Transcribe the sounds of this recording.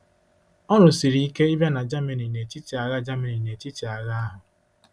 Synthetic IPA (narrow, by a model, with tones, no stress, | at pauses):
ɔ˦ɾʊ˨si˨ɾi˨i˦ke˦i˦bja˦na˨d͡ʒa˦me˨ni˨ne˨ti˦ti˨a˨ɣa˦d͡ʒa˦me˨ni˨ne˨ti˦ti˨a˨ɣa˦a˦ɦʊ˨